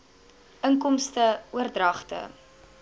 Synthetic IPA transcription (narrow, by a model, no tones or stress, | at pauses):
ʔəŋkɔmstəuərdrɐχtə̰